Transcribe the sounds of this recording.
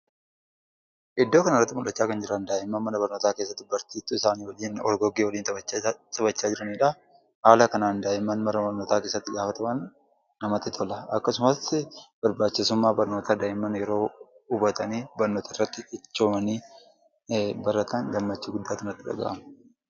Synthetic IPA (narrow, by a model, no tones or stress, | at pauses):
ʔɪd̪ːoːkɐnɐrːɐt̪ːɪmʊᶑɐt͡ʃːaːkɐnd͡ʒɪɾɐnd̪aːʔɪmɐnmɐnɐbɐɾnoːt̪aːke̞ːsːɐt̪ːɪbɐɾt̪iːt̪ːʊɪsaːniːwɐliːnɔ̰lɡɔɡewɔliːnt͡sʼɪbɐt͡ʃːaːd͡ʒɪɾɐniːᶑɐ | haːlɐkɐnaːnd̪aːʔɪmɐnmɐnɐbɐɾnoːt̪aːke̞ːsːɐt̪ːɪɡaːfɐt̪ɐmɐnː | ɐmɐt̪ːɪt̪ʰɔlɐʔɐkːɐsʊmɐsb̥ɐɾbaːt͡ʃːɪsʊmːaːbɐɾnoːt̪aːd̪aːʔɪmɐnjɛɾo̞ːʊbɐt̪ɐniːbɐɾnoːt̪ʰɐrːɐt̪ːɪɪt͡ʃːoːmɐniː | bɐɾɐt̪ʰɐnɡɐmːɐt͡ʃːiːɡʊd̪ːaːtkɐnɐt̪ːɪᶑɐ̰ɡa̰ːʔɐmɐ